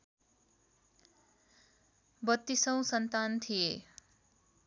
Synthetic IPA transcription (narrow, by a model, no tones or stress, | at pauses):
bʌt̪ːisʌw̃sʌnt̪ant̪ʰie